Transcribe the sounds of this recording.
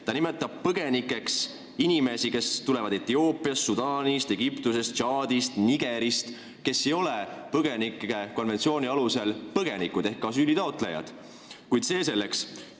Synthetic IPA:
t̪ɑnime̞t̪ːˑɑb̥̚pɤɡ̥e̞nikːˑe̞ks | inime̞sike̞st̪ulevɑd̪̥e̞t̪ːio̞ːpːˑiɑst̪sud̪̥ɑːnist̪e̞ɡ̥ipt̪use̞st̪t͡ʃɑːd̪ist̪niɡ̥e̞ɾist̪ | ke̞sːejo̞lepɤɡe̞nikːe̞ko̞nve̞nsio̞ːnʲiɑluse̞lpɤɡ̥e̞nikud̪̥e̞hkːɑsyːlit̪ɑot̪ˑlḛjɑ̰d̪̥ | kujd̪se̞ːse̞lːe̞ks

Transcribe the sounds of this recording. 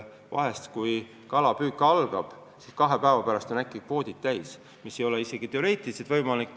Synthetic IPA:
vɑ̰ɦe̞st̪kuj | kɑlɑpyːkːˑɑlɡ̥ɑb̥ | siskɑɦe̞pæevɑpæɾɑst̪o̞nækːˑikvo̞ːd̪̥ʲit̪̚t̪ːæjs | misːejo̞leise̞ɡ̥it̪e̞o̞ɾe̞ːt̪ːˑiliset̪vɤ̞jmɑlikː

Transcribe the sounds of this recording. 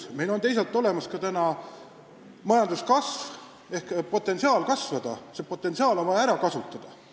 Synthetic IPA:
me̞jlo̞nt̪e̞js̬ɑlt̪ːˑo̞le̞mɑskɑt̪ænɑ | mɑjɑnd̪uskɑsv | e̞hkpo̞t̪ːˑe̞nsiɑːlkɑsvɑd̪̥ɑsepo̞t̪ːˑe̞nsiɑːlo̞nvɑjɑæɾɑkɑsut̪ːˑɑd̪̥ɑ

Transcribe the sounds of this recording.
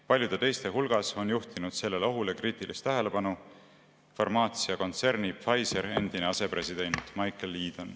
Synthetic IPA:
pɑlʲjud̪̥e̞t̪e̞jst̪e̞ɦulɡ̥ɑso̞njuht̪inud̪̥se̞lːe̞leo̞ɦulekriːt̪ˑilʔist̪ːæɦe̞le̞pɑnu | fɑrmɑːt̪siɑko̞nt̪se̞rnipfɑjse̞ɾe̞nd̪̥ine̞ɑse̞pre̞sid̪̥e̞nt̪ˑmɑjkˑelːiːd̪̥on

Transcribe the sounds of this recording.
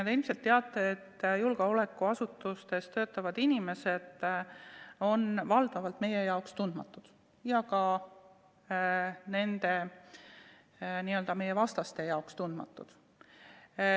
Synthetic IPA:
ɑd̪eilmselt̪ːe̞ɑt̪ːˑeet̪ːjulɡ̥ɑo̞le̞kːˑuɑsut̪ːˑust̪e̞st̪ø̞ːt̪ːˑɑvɑd̪inime̞se̞d̪̥ | o̞nvɑld̪̥ɑvɑlt̪me̞je̞jɑokst̪und̪̥mɑt̪ːˑud̪̥ | jɑkɑ | ne̞nd̪e̞ | niø̞ld̪ɑme̞je̞vɑst̪ɑst̪e̞jɑokst̪und̪̥mɑ̰t̪ːˑud̪̥

